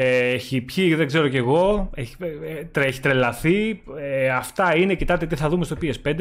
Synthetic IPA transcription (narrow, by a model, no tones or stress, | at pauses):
eeçipçiðeɡze̞ɾo̞ce̞ɣo̞eçit̪ɾeçi̥t̪ɾe̞lɐθieɐft̪ɐinecit̪ɐt̪et̪iθɐðumest̪o̞piespend̪e